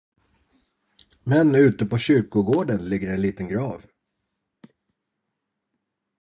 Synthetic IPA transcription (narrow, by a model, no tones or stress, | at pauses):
mɛnʉ̟ːt̪əpʰɔɕʏɾkʊɡoːɖənlɪɡːəɾɛnliːt̪ənɡɾɑːv